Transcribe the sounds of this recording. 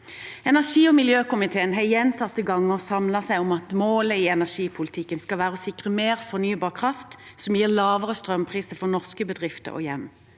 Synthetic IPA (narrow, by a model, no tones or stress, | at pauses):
ɛnæʁʂiːɔmɪljøːkʊmɪt̪ʰeːənɦɛjɛnt̪ʰɑt̪ːəɡɑŋːəɔsɑmlɑsæɪɔmɑt̪moːləiɛnæʁʂiːpʰʊlɪt̪ʰɪkːənskɑlʋæːʁəɔsɪkʁəmeːʁfɔʁnyːbɑːʁkʰʁɑft̪sɔmjiːʁlɑːʋəʁəst̪ʁœmpʰʁiːsəfɔʁnɔʁskəbəd̪ʁɪft̪ə̰ʁɔ̰jɛmː